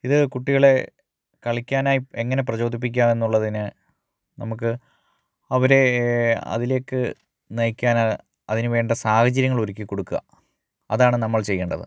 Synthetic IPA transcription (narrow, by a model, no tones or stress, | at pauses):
iðɨkuʈːiɣɐɭe̞ | kɐɭikʲːaːnaːjieŋːɐnep̬rɐt͡ɕo̞ːd̪ʱip̬ːik̬ʲːaːmenːuɭːɐðinɨ | nɐmuk̬ːɨ | ɐʋɐɾe̞ɐ̰ðile̞ːkːɨ | nejkʲːaːna | ɐðinɨʋe̞ːɳɖɐsaːhɐt͡ɕːɐɾjɐŋːɐɭo̞ɾikʲːɨkːo̞ɽukːuɣɐ̰ | ɐðaːɳɨnɐmːɐɭt͡ɕe̞jːeːɳɖɐðɨ̰